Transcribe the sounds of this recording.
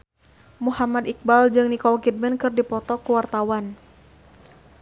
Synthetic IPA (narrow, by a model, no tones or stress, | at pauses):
muhamad̪ik̚bald͡ʒɨŋnikɔlkid̚mɛnkɨrdipɔt̪ɔkuwart̪awan